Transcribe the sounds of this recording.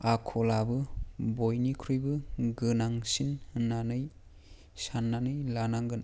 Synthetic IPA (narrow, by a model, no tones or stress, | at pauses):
akʰɔlabɯbojnikʰɾujbɯɡɯnaŋsinnːanɯj | sanːanɯjlanaŋɡɯn